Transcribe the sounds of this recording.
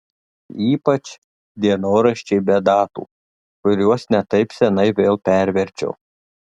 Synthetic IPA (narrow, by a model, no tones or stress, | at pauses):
iːpɐt͡ʃ | d̪ʲiɛnoːɾɐʃʲt͡ʃʲɛɪbʲɛd̪ɑːt̪ṵː | kʊɾʲuɔsnʲɛt̪ɐɪpsʲɛnɐɪʋʲeːlˠpʲɛɾʲʋʲɛɾʲt͡ʃʲo̰ː